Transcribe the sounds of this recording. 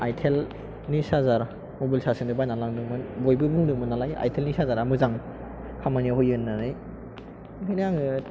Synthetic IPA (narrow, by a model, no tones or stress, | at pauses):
ajtʰel | nisazaɾ | mobilsasɯndɯbajnalaŋdɯŋmɯnbojbɯbuŋdɯmɯnːalaja̰jtʰelnisazaɾamɯzaŋ | kʰamaniaɦojɯnːanɯj | hɯjnjaŋɯ